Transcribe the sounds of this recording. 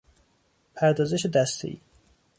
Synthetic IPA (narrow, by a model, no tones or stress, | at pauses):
pʰæɾd̪ɒːzeʃed̪æst̪ʰḛʔḭː